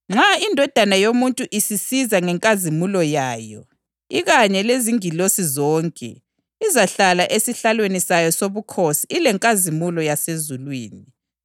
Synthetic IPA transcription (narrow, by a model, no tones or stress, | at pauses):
ŋ͡ǁʱaindʱɔd̥ʱanajomuntʼuʔisisizaŋɛŋkʼazimulɔjaːjɔ̰ | iɣaɲɛleziŋilosizɔːŋkʼɛ̰ | izaɬalaʔesiɬalwenisajɔsoβukʰosiilɛŋkʼazimulɔjasezulwḭːni